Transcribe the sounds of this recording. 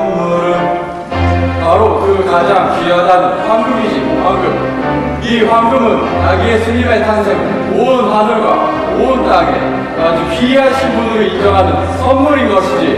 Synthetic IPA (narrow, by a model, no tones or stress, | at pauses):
ɯɾɯn | paɾokɯkad͡ʑaŋpiadanɯnɸwaŋɡɯmid͡ʑi | ɸwaŋɡɯm̚ | iɸwaŋɡɯmɯn | t͡ɕaɡiesʰɯmibaetʰaŋsʰeŋ | moɯnɸadɯɭɡwa̰ | moɯnt͈aŋe | ad͡ʑopiɦaɕʰinbunɯɾɯid͡ʑʌŋɦanɯn | s͈ʰʌnmːuɾinɡʌɕʰid͡ʑi